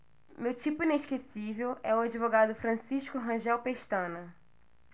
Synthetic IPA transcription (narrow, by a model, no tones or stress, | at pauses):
mewt͡ʃipʊĩneʃkesivewɛʊad͡ʒivoɡad̪ʊfɾɐ̃siʃkʊɦɐ̃ʒɛwpeʃt̪ɐ̃nɐ